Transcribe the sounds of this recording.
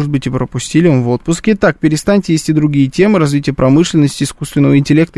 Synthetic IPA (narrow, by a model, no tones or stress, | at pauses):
ʐɨt̪̚bɨtʲɪpɾəpʊsʲtʲilʲɪvəmvo̞t̪̚pʊskʲɪɪt̪ak̚pʲɪɾʲɪst̪anʲtʲɪjesʲtʲɪd̪ɾʊɡʲijətʲe̞mɨɾɐzvʲitʲɪjəpɾɐmɨʂlʲɪnːəsʲtʲɪːskust̪vʲɪnːəvəɪnʲtʲɪlʲe̞k̚t̪ə